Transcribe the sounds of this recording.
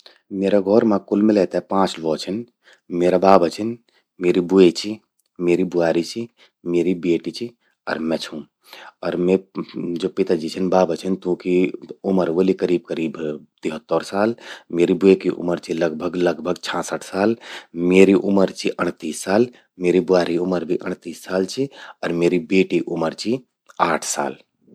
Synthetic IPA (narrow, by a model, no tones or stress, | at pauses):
meːɾaɡʱɔːɾmãkulmelɛːt̪apãːt͡ʃlʋɔːt͡ʃʰən | meːɾabaːbʱət͡ʃʰən | meːɾibuet͡ʃʰi | meːɾibuaːɾit͡ʃʰi | meːɾibeːʈit͡ʃʰi | ɔ̰ːɾmɛ̃t͡ʃʰũ | ɔːɾmɛ̃d͡ʒoːpɪt̪ad͡ʒit͡ʃʰənbaːbət͡ʃʰənt̪ũːkiʊməɾʋolikəɾiːb̚kəɾiːbt̪iɦət̪ːəɾsaːlmeːɾibuekiʔʊ̰məɾt͡ʃʰiləɡ̚bʱəɡləɡbʱəɡt͡ʃʰãːsəʈʰsaːlmeːɾiʔʊməɾt͡ʃʰiʔəɽ̃t̪iːsːaːl | meːɾibʊaːɾiʊməɾbʱiʔə̰ɽ̃t̪iːsːaːlt͡ʃʰiɔːɾmeːɾibeːʈiʔʊməɾt͡ʃʰi | aːʈʰsa̰ːl